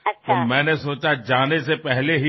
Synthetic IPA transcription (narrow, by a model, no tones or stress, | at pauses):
t̪omɛ̃ːnesoːt͡ʃad͡ʒaːnesepɛɦleɦi